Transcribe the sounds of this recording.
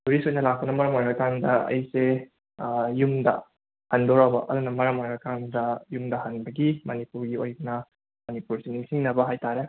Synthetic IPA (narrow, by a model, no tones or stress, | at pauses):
duɾisojnɐlak̚pɐnɐmɐɾɐmojɡɐkandɐɐ̰jse | jumdɐ̰ | hɐndɔɾabɐʔɐ̰dunɐmɐɾɐmojɡɐkandɐjumdɐɦɐnbɐɡimɐnipuɾɡiojnɐ | mɐnipuɾsiniŋsiŋnɐbɐɦajtaɾe